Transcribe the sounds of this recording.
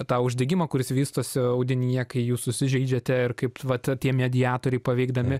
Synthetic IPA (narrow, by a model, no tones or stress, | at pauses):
t̪ɑːʊʒʲd̪ʲɛɡʲɪmɐːkʊɾʲɪsʋʲiːst̪oːsʲɪɐʊd̪ʲɪnʲɪjɛkɐɪjuːssʊsʲɪʒʲɛɪd͡ʒʲɛt̪ʲɛɪrkɐɪpʋɐt̪ʲtʲiɛmʲɛd̪ʲɪjɑːt̪oːɾʲɛɪpɐʋʲɛɪɡd̪ɐmʲɪ